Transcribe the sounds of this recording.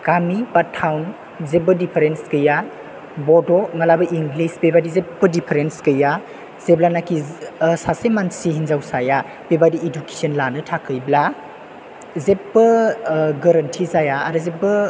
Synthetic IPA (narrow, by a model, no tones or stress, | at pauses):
kamibatʰːawn | zebɐdipʰeɾenskɯja | bɔdɔŋalabɐʔiŋɡlisbebadizepːɐdipʰeɾenskɯja | z̥eblanakisasemansiɦinzawsaja | b̥ebadieduke̥sənlanɯtʰakʰɯjbla | zepːɯɡɐɾɐntʰizajaːɾɯzebɐ